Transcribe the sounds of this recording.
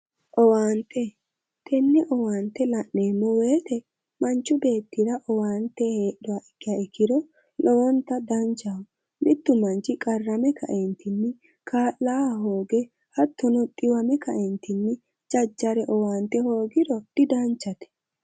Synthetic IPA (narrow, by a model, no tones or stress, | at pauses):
ʔɔwaːnt̪ːɛ | t̪ʰɛnːɪʔɔwaːnt̪ːɛlɐʔne̞ːmːɔweːt̪ɛ | mɐnt͡ʃːʊbe̞ːt̪ːɪɾɐʔɔwaːnt̪ːɛhe̞ːɗɔwaʔɛkːɪjaɛkːɪɾɔ | lɔɔnt̪ːɐd̪ɐnt͡ʃawʊ | mɪt̪ːʊmɐnt͡ʃɪkʼɐrːɐmɛkʰɐ̰ʔɛnt̪ɪnːɪ | kʰaːlːaːɦo̞ːɡɛ | hɐt̪ːɔnɔt̪ʼɪwɐmɛkɐʔɛnt̪ɪnːɪ | d͡ʒɐd͡ʒːɐɾɛʔɔwaːnt̪ːɛho̞ːɡɪɾɔd̪̥ɪd̪ɐnt͡ʃːɐt̪ɛ̥